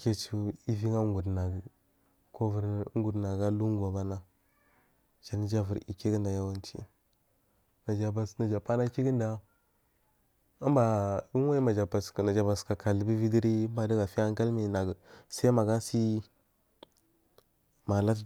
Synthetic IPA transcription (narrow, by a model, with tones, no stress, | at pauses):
ke˦t͡ʃu˦i˦vi˦ŋa˦ŋɡu˨dna˨ɡə˨ | ko˦vu˨ɾŋ˦ɡu˨dna˨ɡa˦lu˦ŋɡa˨ba˦na˦ | d͡ʒa˨ni˦d͡ʒa˦vu˨ɾḭ˨ke˦ɡə˦nda˨ja˦wa˦nt͡ʃḭ˦ | na˨d͡ʒa˨ba˨sna˨d͡ʒa˨pa˦na˦ki˦ɡə˦nda˨ | ə˦m˦ba˨u˦ŋ˦wa˦i˦ma˨d͡ʒa˨ba˨sna˨d͡ʒa˨ba˨ska˨ka˨li˨bi˦vi˦di˦ɾi˦mba˨də˦ɡa˨fi˦a˦ŋ˦ka˦lmi˨na˨ɡə˨sa˦ma˨ɡa˦si˦ | ma˨la˦